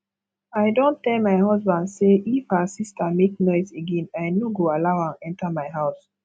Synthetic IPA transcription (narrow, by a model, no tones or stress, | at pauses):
ajdõntɛlmaɪhɔsbãndseʔifhəsistamek̚nɔɪzeɡɛ̃najnoɡoalaʊãnɛ̃ntamaɪɦaʊs